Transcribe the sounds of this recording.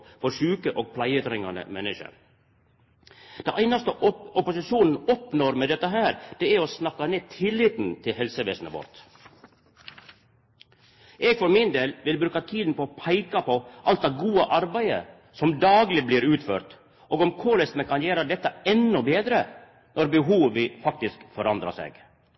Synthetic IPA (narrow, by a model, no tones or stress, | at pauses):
fɔɾʃʉːkəʔoːɡ̚pʰlæɪət̪ɾɪŋɑnə̰mɛnːɪʃə̰ɾ | d̪̥ɛnʔæɪnɑst̪əɔpʊsɪʃuːnn̩ɔpnoːɾmɛːd̪ɛt̪ːəɦæːɾd̪̥ɛæɾɔsnɑkːɑneːt̪ʰɪlɪt̪n̩t̪ʰɪlhɛlsəʋḛːsnəʋɔ̰ɾt̪ | ʔeːɡfɔɾmɪnd̪eːlʋɪlbɾʉːkɑt̪ʰiːd̪n̩pɔːpʰæɪkɑpʰɔʔɑlt̪̚d̪ɑːɡuːəʔɑɾbæɪə̰ | sɔmd̪ɑːɡlɪbliːɾʉːt̪føːɾt̪ | ʔoːɡɔmkʰʊlɛst̪nəkʰɑnjæːɾəd̪ɛt̪ːəɛnːɔbeːd̪ɾə | nʔɔɾbəɦuːʋəfɑkt̪ɪskfɔɾɑnd̪ɾɑ̰sḛːɡ